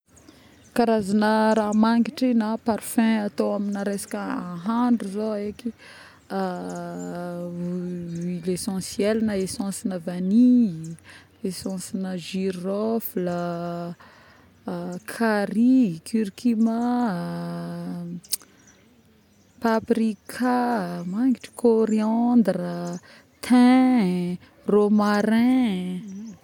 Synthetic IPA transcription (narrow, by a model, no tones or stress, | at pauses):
kaɾazanəɾamaŋɡiʈ͡ʂinapaɾfɛ̃at̪oaminəɾesḁkəãɦaɳɖ͡ʐuzoeki | ilesɑ̃sijɛlinəesɑ̃sinəvani | esɑ̃sinəʒiɾɔflə | kʰaɾikʰyɾkʰima | paprikʰamaŋɡiʈ͡ʂi̥kʰoɾiɑnd̪ɾə | t̪ʰɛ̃ | romaɾɛ̃